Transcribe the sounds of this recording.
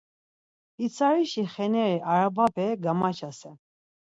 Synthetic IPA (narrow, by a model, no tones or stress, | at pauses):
it͡sʰaɾiʃiχɛnɛɾiʔaɾababɛɡamat͡ʃʰasɛ